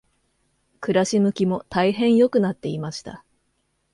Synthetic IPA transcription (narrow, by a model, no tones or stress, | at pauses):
kɯ̟ɾaɕimɯ̟kʲimo̞t̪aiɦẽ̞ɰ̃jo̞kɯ̟nat̪ːe̞imaɕi̥t̪a̰